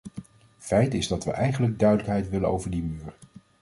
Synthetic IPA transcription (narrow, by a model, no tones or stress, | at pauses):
fɛjtɪzdɑtʋəʔɛjχənləɡ̚dœɥdələkɦɛjtʋɪlənowvəɹdimyːɹ